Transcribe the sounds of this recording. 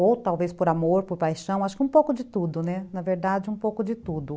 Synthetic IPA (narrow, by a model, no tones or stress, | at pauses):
owt̪awvespoɾamoɾpoɾpajʃɐ̃w̃aʃʊ̥kɪũpowkʊd͡ʒɪt̪ud̪ʊnɛnɐveɾd̪ad͡ʒɪũpowkʊd͡ʒɪt̪ud̪ʊ